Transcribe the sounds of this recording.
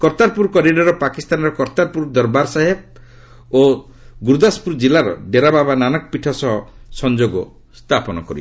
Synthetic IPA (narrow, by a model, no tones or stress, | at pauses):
kɔɾt̪aɾpuɾkɔɾiɖɔɾɔpakist̪anɾɔkɔɾt̪aɾpuɾd̪ɔɾbaɾsaɦeb̚ | o | ɡuɾd̪aspuɾd͡ʒilaɾɔ̰ɖeɾababananɔkɔpiʈʰɔsɔɦɔsɔnd͡ʒoɡɔ | st̪ʰapɔnɔkɔɾḭ